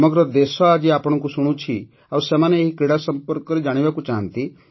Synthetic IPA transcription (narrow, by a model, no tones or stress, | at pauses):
mɔɡɾɔd̪esɔad͡ʒiapɔɽ̃ɔkusuɽ̃ũt͡ʃʰi | awsemaneːɦikɾiɽasɔmpɔɾkɔɾed͡ʒaɽ̃ibakut͡ʃaɦənt̪i